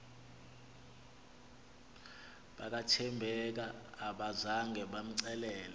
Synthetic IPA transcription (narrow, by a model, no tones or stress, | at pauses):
ɓak̬ʼatʰɛmbʱɛk̬aːɓazaŋɡʱɛɓam̩ǀɛlɛːlɛ